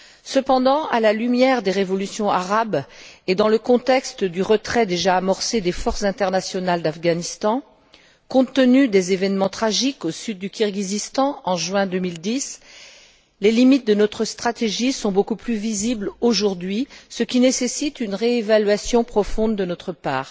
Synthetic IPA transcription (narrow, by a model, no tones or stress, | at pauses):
səpɑ̃d̪ɑ̃alalymjɛʁd̪eʁevɔlysjɔ̃aʁabed̪ɑ̃ləkɔ̃t̪ɛkst̪d̪yʁət̪χɛd̪eʒaːmɔʁsed̪efɔʁszɛ̃t̪ɛʁnasjɔnald̪afɡanist̪ɑ̃ | kɔ̃t̪ːənyd̪ezevɛnmɑ̃t̪χaʒikosyd̪̚ːykʲyʁɡʲizist̪ɑ̃ɑ̃ʒɥɛ̃d̪ømild̪is | lelimit̪̚d̪ənɔt̪χəst̪χat̪eʒisɔ̃bokuplyvizibloʒuʁd̪ɥisəkʲinesesit̪ynʁeevalɥasjɔ̃pχɔfɔ̃d̪ːənɔt̪χəpa̰ːʁ